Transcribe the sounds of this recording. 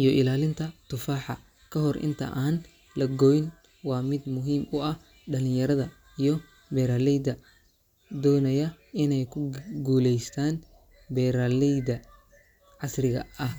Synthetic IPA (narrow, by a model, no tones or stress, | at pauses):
ʔijɔʔɪlaːlɪnt̪ʰɐt̪ʰʊfaːħɑ | kʰɐɦɔrʔɪ̰nt̪ʰɐ̰ʔaːn | lɐɡɔjɪn | wɑːmɪd̪mʊɦiːmʊɐh | ɖɐlɪ̃njɐɾɐðɐ | ijɞ | bɛɾaːlɛjd̪ɐ | d̪ɔːnɐjɐɪnɛjkʰʊɡuːlɛjst̪ʰaːn | bɛɾaːlɛjd̪ɐ | ʕɑsrɪɣɐ̰ɐh